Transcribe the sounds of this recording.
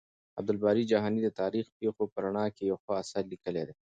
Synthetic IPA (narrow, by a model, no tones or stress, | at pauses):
ɐb̚d̪ɐlbaːɾid͡ʒaɦaːnid̪et̪aːɾiːxpexopɐɾɐɳaːkejoxoɐsɐɾlikəleːd̪e